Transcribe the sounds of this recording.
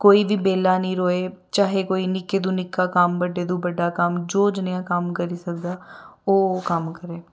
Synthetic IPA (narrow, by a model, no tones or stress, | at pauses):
koːiːʋiːbeːlaːnĩːɾoːeːt͡ʃaːɦeːkoːiːnɪkeːd̪ũːnɪkːaːkəmbəɖeːd̪ũːbəɖːaːkəmd͡ʒoːd͡ʒnɪjãːkəmkəɾiːsəkd̪aːoːkəmkəɾeː